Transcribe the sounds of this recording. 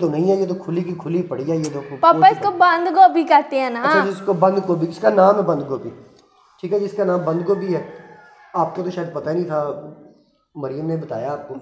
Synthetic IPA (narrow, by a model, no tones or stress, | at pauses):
t̪onɐɦĩːɦɛjeːt̪okʰʊlik̬ikʰʊlipɐɽ̤iɛjeːt̪opaːaɪskobɐ̃nd̪ɡoːbʱikɐɾt̪eɦɛ̃ːnaɐt͡ʃʰad͡ʒɪskobə̃nd̪kobʱiɪskanaːmɛbɐ̃nd̪ɡoːbʱi | ʈʰiːkɦɛd͡ʒɪskanãːmbɐ̃nd̪̚ɡobʱiɦɛː | aːp̚kot̪oʃaːəd̪̚pɐt̪aenĩt̪ʰa | məɾɪjəmnebət̪a̰ːjaːp̚koː